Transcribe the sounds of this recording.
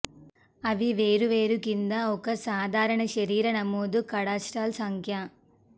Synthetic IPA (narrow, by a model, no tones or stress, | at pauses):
ɐʋiʋeːɾuʋeːɾukind̪ɐɔkɐsaːd̪ʱaːɾɐɳɐʃɐɾiːɾɐnɐmːoːd̪ukɐɽaːsʈaːlsɐŋkʰjɐ